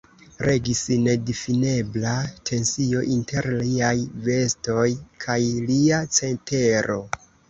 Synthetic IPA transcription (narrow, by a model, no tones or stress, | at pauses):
ɾe̞ɡisne̞difine̞blatʰe̞nsio̞ʔinte̞ɾliajve̞sto̞jkʰajliat͡se̞nte̞ɾo̞